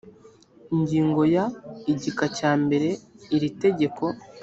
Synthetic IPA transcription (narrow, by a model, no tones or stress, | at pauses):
iɲɟiːŋɡo̞jaiɟikacaːmbe̞ɾe̞iɾite̞ɟe̞kʰo̞